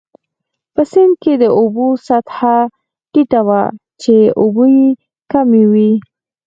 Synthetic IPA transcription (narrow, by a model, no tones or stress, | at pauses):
pəsɪnd̪̚ked̪əʔobosat̪ha | ʈiʈawat͡ʃeʔuboje | kamewi